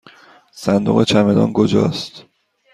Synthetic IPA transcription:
sænd̪oɣet͡ʃʰæmed̪ɒ̰ːnkʰod͡ʒɒ̰ːst̪

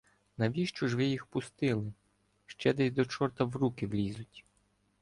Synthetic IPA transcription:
nɐʋʲiʃt͡ʃɔʒʋɪjixpʊst̪ɪlˠɪ | ʃt͡ʃɛd̪ɛsʲd̪ɔt͡ʃɔrt̪ɐwɾukɪʋlʲizʊtʲ

